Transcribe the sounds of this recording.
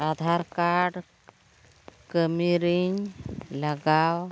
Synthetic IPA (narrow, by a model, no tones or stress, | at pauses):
ad̪ʱaɾkaɾɽ | kəmiɾiɲlaɡaw